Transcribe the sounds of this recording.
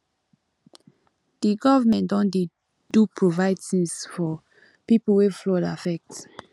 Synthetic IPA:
d̥iɡɔvamɛ̃ndɔ̃nde | d̥upʰɹovaɪd̚tĩŋsfɔ | pipul̩weflɔdafɛk̚t

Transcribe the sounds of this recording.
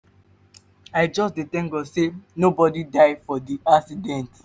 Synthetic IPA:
aɪd͡ʒɔsdetɛ̃ŋɡɔsenobɔdidaɪfɔdiaksidɛ̃nt

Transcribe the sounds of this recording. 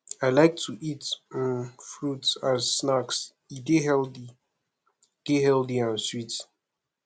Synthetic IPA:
aɪlaɪk̚tʰuʔitnfɹutsaz̥ːnaks | iɡehɛldi | ɡ̥ehɛldiãnswit

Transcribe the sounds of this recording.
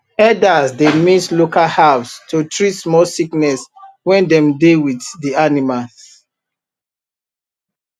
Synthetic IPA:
ɛdasdemislokalhavstʰotɹitsmɔlsiknɛswɛ̃ndɛ̃mdewiθdianimals

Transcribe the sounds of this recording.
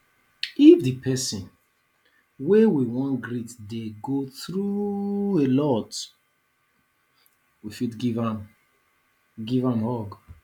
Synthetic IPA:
ifdipʰɛsĩn | wewiwɔ̃nɡɾitdeɡoθɾuelɔt | wifitɡivãm | ɡivãmhɔɡ

